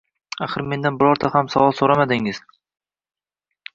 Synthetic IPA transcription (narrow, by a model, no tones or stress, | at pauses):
aχɨɾme̞nd̪anbɪɾɒɾt̪ʰahamsavɒlˠsoɾamad̪ɪŋɪz̥